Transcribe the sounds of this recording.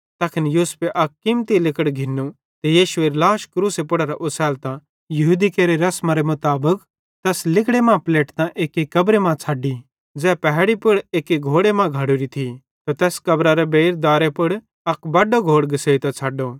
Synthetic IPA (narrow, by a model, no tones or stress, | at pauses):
t̪ɐkʰɪnjuːspeʔɐkːɪmt̪ilɪkəɽɡʱɪnːu | t̪ejiːʃʊeɾlaːʃkɾuːsepʊɽaɾaʔʊsʰɛːlt̪ã | jɐɦuːd̪ikeːɾeɾɐsmãɾemʊt̪aːbək | t̪ɛːslɪkɽemãpleːʈt̪ãʔeːkikɐbɾemãt͡sʰaːɖi | d͡zɛːpɛɦɽipʊɽeːkiɡʱoːɽemãɡʱaːɽuɾit̪ʰi | t̪at̪ɛːskɐbɾaɾɛbeːɾd̪aːɾepʊɽ | ɐkbɐɖoɡʱoːɽɡɪseːit̪ãt͡sʰaːɖo